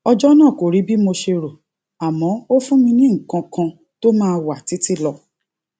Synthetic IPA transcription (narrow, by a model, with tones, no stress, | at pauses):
ɔ˧d͡ʒɔ˦nãː˦˨ko˨ɾi˨˦bi˦mo˧ʃe˧ɾo˨ | a˨mɔ̃˨˦o˦fũ˦mĩ˧nĩ˦ŋ̩˨kã˧kã˧ | to˦mãː˦˨˧wa˨ti˨˦ti˦lɔ˧